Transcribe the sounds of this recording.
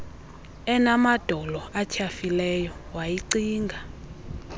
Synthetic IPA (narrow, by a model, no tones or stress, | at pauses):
ɛnamad̥ʱɔlɔatʰafilɛjɔwajiǀiːŋɡʱa